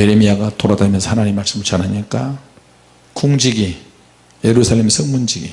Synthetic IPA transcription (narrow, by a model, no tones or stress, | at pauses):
je̞ɾemiaɡatoɾadamjʌnsʰhanaɲimaɭs͈ɯmɯt͡ɕanɦaɲik͈a | kuŋd͡ʑiɡi | je̞ɾusʰaɭlːemsʰɯŋmund͡ʑiɡḭ